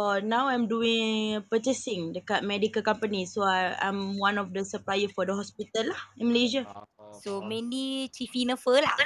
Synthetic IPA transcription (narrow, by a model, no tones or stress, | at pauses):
ɔnãwãjmduĩŋpət͡ʃɛsɪ̃ŋdəkat̪̚mɛdikəlkãmpənisoaã̰jmwãnɔfdəsəplajəfɔdəɦɔspit̪əlːahĩnməleʒasomɛ̃nit͡ʃifinə̃fəla